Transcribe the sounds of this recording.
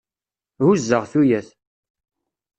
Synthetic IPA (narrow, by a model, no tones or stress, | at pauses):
huzːəʁθujæθ